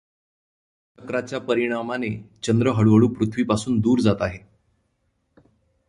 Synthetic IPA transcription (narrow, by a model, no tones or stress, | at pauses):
t͡ɕəkɾat͡ɕjapəɾiɽ̃amanet͡ɕənd̪ɾəɦəɭʋəɭuːpɾut̪ʰʋiːpasuːnd̪uːɾd͡zat̪aɦe